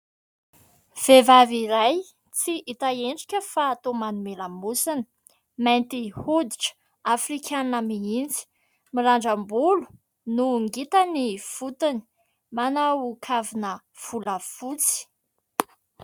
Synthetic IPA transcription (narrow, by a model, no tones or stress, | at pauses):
v̥evaviɾaj | t͡siʔit̪aeɳɖ͡ʐikʲəfaːt̪omanumelamusinə̥ | majnt̪ihud̪iʈ͡ʂə̥ | afrikʰʲanəmiind͡zi̥ | miɾaɳɖ͡ʐəmbulu̥ | nuŋɡit̪əniv̥ut̪ini̥ | manawukʰavinə | v̥uləfut͡si̥